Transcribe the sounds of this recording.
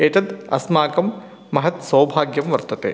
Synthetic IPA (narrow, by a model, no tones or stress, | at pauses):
eːt̪ɐd̪ɐ̰smaːkɐmː | ɐɦɐt̪sɐwbʱaːɡjɐmʋɐɾt̪ɐt̪ḛː